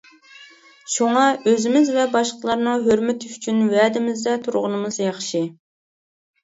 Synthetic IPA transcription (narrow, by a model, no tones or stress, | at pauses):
ʃuŋɑøzɪmɪzvɛbɑʃqəlˠɑɾnɨŋɦøɾmɛt̪yt͡ʃʰynwɛd̪ɪmɪzd̪ɛt̪ʰuɾʁʊnɨmɨzjɑχʃi